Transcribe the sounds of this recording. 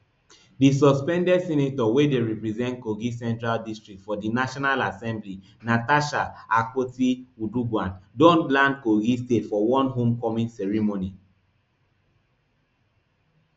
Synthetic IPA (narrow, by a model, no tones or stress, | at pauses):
disɔspɛ̃ndɛdsɛnetɔwedeɹipɹizɛ̃ntkoɡisɛ̃ntɹaldistɹik̚tfɔdinaʃɔnalasɛ̃mbli | nataʃaakotiuduɡwãndõntlãnd̚koɡistetfɔwɔ̃nɦõmkɔmĩnsɛɹimoni